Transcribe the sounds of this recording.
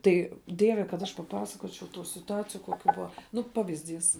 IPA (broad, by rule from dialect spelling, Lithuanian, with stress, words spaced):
ˈtɐɪ ˈdʲiɛʋʲɛ kɐt ˈɐʃ pɐˈpɑːsɐkoːt͡ʃʲɛʊ tuː sʲɪtʊˈɑːt͡sʲɪjʊ koːˈkʲuː ˈbʊɐ ˈnʊ ˈpɑːʋʲɪzʲˌdʲiːs